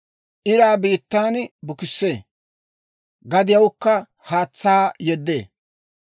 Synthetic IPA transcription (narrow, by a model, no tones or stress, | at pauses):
ʔɪɾaːbiːt̪ːaːnbʊkɪsːeː | ɡɐd̪ɪjɐwkːɐ | haːt͡sːaːjɛd̪ːḛː